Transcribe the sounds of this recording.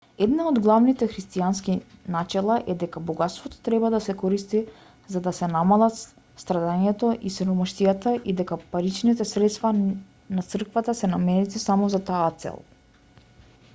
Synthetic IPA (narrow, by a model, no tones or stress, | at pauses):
ɛd̪naod̪ɡlˠavnit̪ɛxɾist̪ianskinat͡ʃɛlˠaʔɛd̪ɛkabɔɡat̪st̪vɔt̪ɔ̥t̪ɾɛbad̪asɛkɔɾist̪i | zad̪asɛnamalˠat̪ | st̪ɾad̪aɲɛt̪ɔʔisɛɾɔmɔʃt̪ijat̪aʔid̪ɛkapaɾit͡ʃnit̪ɛsɾɛt̪st̪va | nat̪sr̩kvat̪asɛnamɛnit̪isamɔzat̪aːt̪sɛ̰lˠ